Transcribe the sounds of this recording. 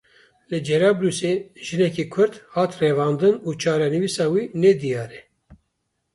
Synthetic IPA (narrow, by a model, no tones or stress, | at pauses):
lɨd͡ʒɛɾɑːbɾuːseʒɨnɛkiːkʰʊɾd̪hɑːt̪rɛvɑːnd̪ɨnuːt͡ʃʰɑːɾɑnɨvisɑːwinɛd̪ijɑːɾɛ